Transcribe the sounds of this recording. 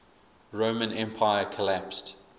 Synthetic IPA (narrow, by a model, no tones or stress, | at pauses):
ɹoʊmə̃nɛ̃mpʰaɪəkʰəlæpst